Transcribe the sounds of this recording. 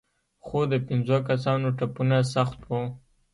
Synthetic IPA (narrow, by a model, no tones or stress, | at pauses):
xod̪əpɪnzokas̬ɑnoʈapunas̬axt̪wo